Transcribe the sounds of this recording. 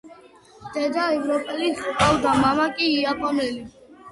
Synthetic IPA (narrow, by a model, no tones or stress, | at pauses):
d̪̥ɛd̪aɛvɾɔpʼɛlikʼawd̪amamakʼiːapʼɔnɛli